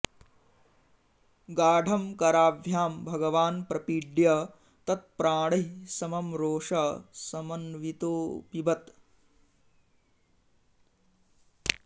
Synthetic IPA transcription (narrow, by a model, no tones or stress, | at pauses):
ɡaːɖʱɐmkɐɾaːʋjaːmbʱɐɡɐʋaːnpɾɐpiɖjɐ | t̪ɐt̪̚pɾaːɳɐɦisɐmɐmɾoːʂɐsɐmɐnʋit̪oːpibɐt̪